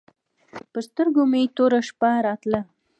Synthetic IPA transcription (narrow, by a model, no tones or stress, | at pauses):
pəst̪əɾɡomet̪oɾaʃpaɾɑt̪la